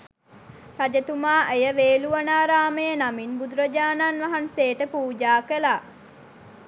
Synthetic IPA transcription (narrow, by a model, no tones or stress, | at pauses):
had͡ʒət̪umaːʔejəʋeːluʋanaːɾaːməjənaminbud̪uɾəd͡ʒaːnanʋaɦanseːʈəpuːd͡ʒaːkəlaː